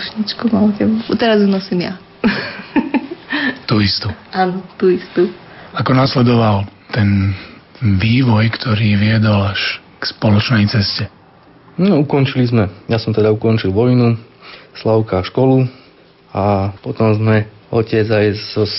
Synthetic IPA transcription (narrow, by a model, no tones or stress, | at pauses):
ʃɲit͡ʃkumalcɛbut̪ɛɾazunɔsimja | t̪uist̪uaːnɔt̪uist̪uakɔnaːslɛd̪ɔʋalt̪ɛn | ʋiːʋɔjkt̪ʰɔɾiːʋɪɛd̪ɔlaʃ | kspɔlɔt͡ʃnɛjt͡sɛscɛ | nɔukɔnt͡ʃilizmɛjasɔmt̪ɛd̪aukɔnt͡ʃilʋɔjnuslaʊkaʃkɔlu | apɔt̪ɔmzmɛɔcɪɛd͡zajzɔ